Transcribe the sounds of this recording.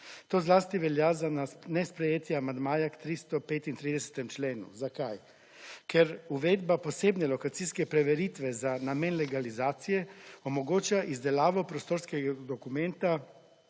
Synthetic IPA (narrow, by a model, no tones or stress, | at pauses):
t̪oːzlaːst̪iʋɛljazananɛspɾɛjeːt̪jaamand̪maːjakt̪ɾist̪ɔpeːt̪int̪ɾiːd̪ɛsɛ̥t̪ɛmt͡ʃleːnṵzakaj | kʰɛɾuʋeːd̪baposeːbnɛlɔkat̪siskɛpɾɛʋɛɾit̪ʋɛzanameːnlɛɡalizaːt̪sijɛomoɡoːt͡ʃaʔizd̪ɛlaːʋɔpɾost̪oːɾskɛɡad̪ɔkumɛnt̪a